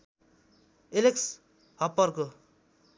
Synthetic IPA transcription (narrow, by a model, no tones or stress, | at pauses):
eleks | hʌpːʌrko